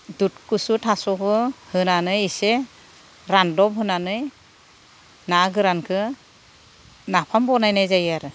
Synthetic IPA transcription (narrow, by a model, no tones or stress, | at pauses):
dut̚kɯsutʰasɔkʰɯhɯnanɯjise | ɾandɔpɦɯnanɯj | naɡɯɾankʰɯ | napʰambɔnajnajzajaɾɯ